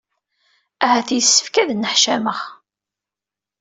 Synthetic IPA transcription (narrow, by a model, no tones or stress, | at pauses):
æhæθjsːə̥fkæðnəħʃæməχ